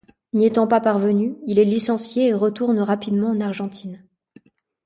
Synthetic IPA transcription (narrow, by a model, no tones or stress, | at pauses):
niet̪ɑ̃papaʁvənyilɛlisɑ̃sjeːʁət̪uʁnʁapid̪mɑ̃ɑ̃naʁʒɑ̃t̪ʰin